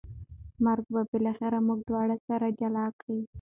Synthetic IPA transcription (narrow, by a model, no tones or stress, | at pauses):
maɾɡbabɪlaxɪɾamuɡ̚d̪wɑɽasaɾad͡ʒalɑkɽi